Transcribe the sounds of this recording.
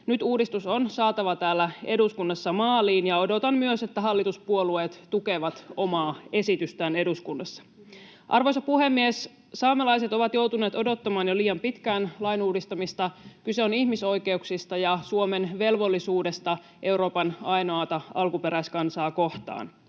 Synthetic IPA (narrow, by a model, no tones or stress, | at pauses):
nyt̪uːdist̪usonsɑːt̪ɑʋɑt̪æːlːæe̞duskunːɑsːɑmɑːliːnjɑo̞do̞t̪ɑmmyøse̞t̪ːæɦɑlːit̪uspuolueːt̪t̪uke̞ʋɑt̪o̞mɑːe̞sit̪yst̪æːne̞duskunːɑsːɑ̥ | ʔɑ̰rʋo̞jsɑpuhe̞mːies | sɑːmelɑjse̞t̪o̞ʋɑt̪jowt̪uneːt̪o̞do̞t̪ːɑmɑːnjoliːjɑmpit̪kæːnlɑjnuːdist̪ɑmist̪ɑkyse̞onihmiso̞jke̞uksist̪ɑjɑsuome̞nʋe̞lʋo̞lːisuːde̞st̪ɑ | ʔe̞wɾo̞ːpɑnɑjnoɑt̪ɑɑlkupe̞ɾæjskɑnsɑːko̞ht̪ɑ̰ːn